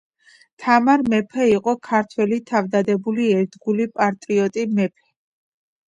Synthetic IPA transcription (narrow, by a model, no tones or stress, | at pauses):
t̪ʰamaɾmɛpʰɛiqʼɔkʰaɾt̪ʰwɛlit̪ʰavd̪ad̪ɛbuliɛɾd̪ɡulipʼaɾt̪ʼɾiɔt̪ʼimɛpʰɛ̥